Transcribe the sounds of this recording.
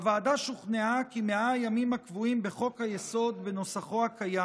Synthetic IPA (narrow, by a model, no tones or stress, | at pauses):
avaːd̪aʃuχneakimeajamimakvuimbeχo̞khajeso̞d̪beno̞saχo̞akaja